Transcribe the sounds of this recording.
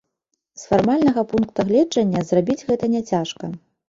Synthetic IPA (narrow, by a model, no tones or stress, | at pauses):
sfarmalʲnɐɣɐpunkt̪ɐɣlʲɛd͡ʐɐnʲːɐzrabʲid͡zʲɣɛt̪ɐnʲɛt͡sʲaʂkɐ